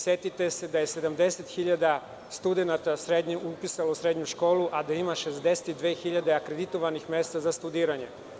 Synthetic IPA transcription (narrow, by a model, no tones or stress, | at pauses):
sjet̪it̪ese̞d̪ajese̞d̪amd̪e̞set̪xiʎad̪a | st̪ud̪enat̪asɾed̪ɲeupisalousɾe̞d̪ɲuʃko̞ːluʔad̪aimaʃe̞zd̪e̞set̪id̪ʋeːxiʎad̪e̞akɾed̪it̪oʋanixme̞st̪azast̪ud̪iːɾaɲe